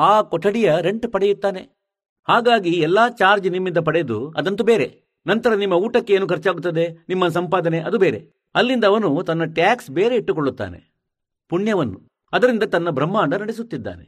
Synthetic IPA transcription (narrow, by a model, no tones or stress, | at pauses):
aːkɔʈːɐɽijɐɾeɳʈpɐɽejut̪ːaːne̞ | haːɡaːɡiɛlːaːt͡ʃaːɾd͡ʒnimːind̪ɐp̬ɐɽejd̪uɐ̰d̪ɐnt̪ubeːɾe̞̰ | nɐnt̪ɐɾɐnimːɐuːʈɐkːe̞eːnuːkɐɾt͡ʃaːɡut̪ːɐd̪e̞nimːɐs̬ɐmpaːd̪ɐneʔɐd̪ubeːɾe | ɐlːind̪ɐːʋɐnut̪ɐnːɐʈjaːksbeːɾe̞iʈːukoɭːut̪ːa̰ːne̞̰ | puɳjɐʋɐnːu | ɐd̪ɐɾind̪ɐt̪ɐnːɐbʱɾɐmːaːɳɖɐnɐɽesut̪ːid̪ːa̰ːnḛ